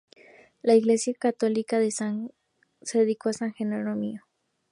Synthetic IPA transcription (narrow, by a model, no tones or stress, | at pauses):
laiɣle̞sjakat̪o̞likaðesaŋ | seðeðikoasaŋxenoɾomio